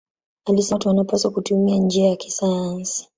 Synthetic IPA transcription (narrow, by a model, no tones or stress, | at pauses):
alisɛtuwanapasakutumiand͡ʒiajakisajansi̥